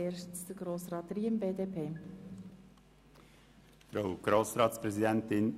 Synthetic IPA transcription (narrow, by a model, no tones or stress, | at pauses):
eːʃtsd̥̪əɡ̥ɾoːsɾɑːtɾiːəmbeːdeːpʰeː | fɾaʊɡ̥ɾoːsɾɑːt̪spɾɛzidɛnt̪ɪn